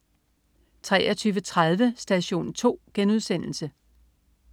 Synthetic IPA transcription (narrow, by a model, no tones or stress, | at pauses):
t͡sʰʁɛːɐt͡sʰyːʋət͡sʰʁað̞ˠʋəsd̥æɕo̝̰ːnt͡sʰo̝̰ːɡ̥enuð̞ˠsen̰l̩sə